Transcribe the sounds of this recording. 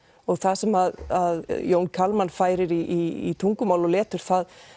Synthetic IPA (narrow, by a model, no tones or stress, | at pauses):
ɔɣθasɛmaðaðjoːwnkʰalmanfaːjɾɪɾiʔḭt̪ʰuŋkʏmaːwlɔlɛːt̪ʏɾ̥θað